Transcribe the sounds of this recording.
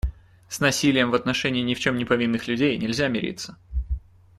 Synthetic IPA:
snɐsʲilʲɪjəmvɐt̪nɐʂɛnʲɪːnʲɪft͡ɕo̞mnʲɪpɐvʲinːɨxlʲʉdʲejnʲɪlʲzʲamʲɪɾʲḭt̪sə̥

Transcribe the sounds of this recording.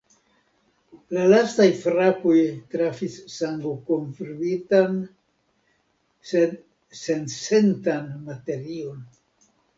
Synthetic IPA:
lalastajfɾapo̞jtɾafisːaŋɡokonfɾuitan | sd | se̞nse̞ntanmate̞ɾio̞n

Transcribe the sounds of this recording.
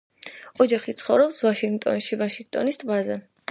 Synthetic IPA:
ɔd͡ʒaχit̪sʰχɔvɾɔpsvaʃiŋɡt̪ʼɔ̰nʃivaʃiŋɡ̚t̪ʼɔnist̪ʼvazɛ

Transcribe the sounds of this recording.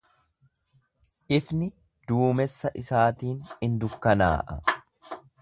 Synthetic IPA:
ʔɪfnɪ | d̪̥uːmɛsːɐʔɪsaːt̪iːnɪnd̪ʊkːɐna̰ːʔɐ̰

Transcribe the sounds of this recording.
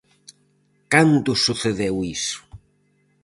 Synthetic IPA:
kant̪ʊsuθeðewisʊ̥

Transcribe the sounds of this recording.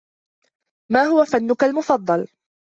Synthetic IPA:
maːɦʊwafanːʊkalmʊfɑd̪ˤːɑl

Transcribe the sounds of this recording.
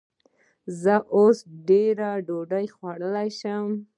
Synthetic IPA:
zəʔosɖeɾaɖoɖajxwaɽəlajʃəm

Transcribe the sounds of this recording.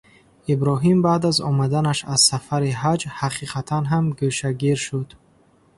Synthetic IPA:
ibɾɔɦimbaːd̪azɔ̰mad̪anaʃaz̥safaɾiɦad͡ʒhaqʰiqʰat̪ʰanɦamɡøʃaɡiɾʃud̪̥

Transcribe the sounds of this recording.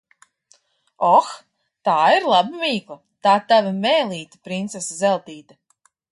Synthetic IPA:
ɔx | t̪aːiɾlˠabɨmiːklˠa | t̪aːt̪avimɛːlˠiːt̪i̥pɾint̪sɛszɛlˠt̪iːt̪a

